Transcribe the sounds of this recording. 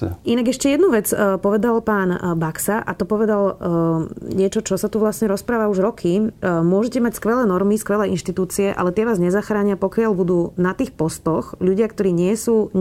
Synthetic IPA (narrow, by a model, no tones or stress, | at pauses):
inaɡɛʃcɛjɛd̪nuʋɛt͡spɔʋɛd̪alpaːnbaksaʔat̪ɔpɔʋɛd̪al | ɲɪɛt͡ʃɔt͡ʃɔsat̪uʋlasɲɛɾɔspɾaːʋauʒɾɔkʰimʊɔʒɛcɛmacskʋɛlɛːnɔɾmiskʋɛlɛːinʃt̪it̪uːt͡siɛʔa̰lɛt̪ɛʋaːzɲɛzaxɾaːɲɪapɔkɪaʎbud̪uːnat̪iːxpɔst̪ɔxʎuɟɪakt̪ɔɾiːɲɪɛsuː